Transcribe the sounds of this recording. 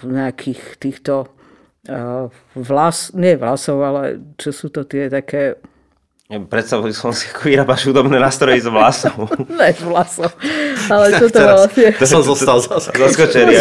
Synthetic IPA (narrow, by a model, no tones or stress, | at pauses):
ɲɛakʰiːxt̪iːxt̪ɔ | ʋlasɲɪɛʋlasɔʊalɛ̰t͡ʃɛsuːt̪ɔt̪ɪɛt̪akɛː | pɾɛt̪st̪aʋujisɔmsi̥ḁkʰɔʋiɾaːbaʃhud̪ɔbnɛːnaːst̪ɾɔjizʋlasɔʊɲɛzʋlasɔʊalɛt͡ʃɔt̪ɔʋɔlasɲɛmzɔst̪alzaszaskɔt͡ʃɛɾɪa